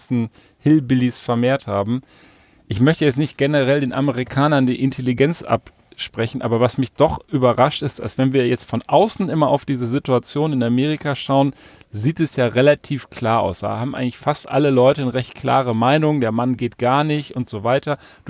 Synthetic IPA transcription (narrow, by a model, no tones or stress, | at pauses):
sn̩ | hɪlbɪlisfɛɐmeːɐthaːbm̩ | ʔɪçmœçtəjɛt͡snɪçt̚ɡ̥enəʁɛldeːnʔaməʁ̞ikʰaːnɐndiːʔɪntʰeliɡɛnt͡sʔa̰p | ʃpʁ̥ɛçn̩ʔa̰ːbɐvasmɪçd̥ɔχʔyːbɐʁaʃtɪsta̰lsv̥ɛnviːɐjɛt͡stfɔnʔaʊsn̩ʔɪmɐʔa̰ʊfd̥iːzəzɪtuat͡sjoːnɪnameːʁ̞ikʰaʃaʊən | ziːtɛsjaːʁelatʰiːfkʰl̥aːɐʔa̰ʊsd̥a̰ːhaːbm̩ʔaɪŋklɪçfastʔa̰ləlɔʏtənəʁɛçt̚kʰl̥a̰ːʁ̞əmaɪnʊŋdeːɐmanɡeːt̚ɡ̥aɐnɪçtʊntz̥oːvaɪtɐ | d̥